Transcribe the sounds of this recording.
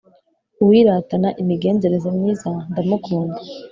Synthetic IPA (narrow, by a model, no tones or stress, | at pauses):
uwiɾatanaʔimiɡe̞ːnze̞ɾe̞zemɲiːzandamukʰuːnda